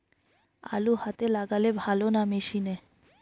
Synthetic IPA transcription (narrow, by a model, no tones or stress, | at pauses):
a̰luhat̪elaɡalebʱalonameʃine